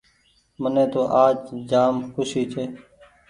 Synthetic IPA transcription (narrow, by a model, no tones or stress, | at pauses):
mənẽːt̪oːʔaːd͡ʒd͡ʒaːmxʰʊsiːt͡ʃʰeː